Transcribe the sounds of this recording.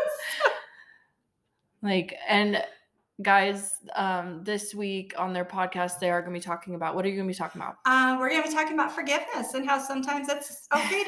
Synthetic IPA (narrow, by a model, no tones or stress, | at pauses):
laɪkɨ̃n | ɡ̥aɪzʌ̃mðɪswikʰə̃n̩ðə˞pʰɑd̚kʰæst̚ðeɪə˞ɡʌnəbitʰɔkɪ̃ŋɨbaʊʔ̚wʌɾə˞jɨɡʌnəbitʰɔkɪ̃ŋəba̰ʊt̚ʌ̃mwə˞jɨæitʰɔkɪ̃ŋəbaʊtfə˞ɡɪvnɨsɨ̃nɦaʊsʌ̃mtʰãɪ̃mzɨts | oʊkʰeɪ